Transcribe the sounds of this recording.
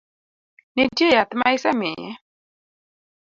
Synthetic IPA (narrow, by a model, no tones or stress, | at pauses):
nitjejat̪majsamɪ̰ɛ̰